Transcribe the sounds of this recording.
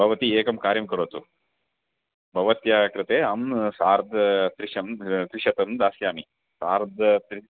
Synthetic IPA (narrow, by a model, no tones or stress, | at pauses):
bʱɐʋɐt̪ieːkɐmkaːɾjɐmkɐɾoːt̪u | bʱɐʋɐt̪jaːkɾɪt̪eːɐmsaːɾd̪ʱɐt̪ɾiʃɐmt̪ɾiʃɐt̪ɐmd̪aːsjaːmi | saːɾd̪ʱɐt̪ɾi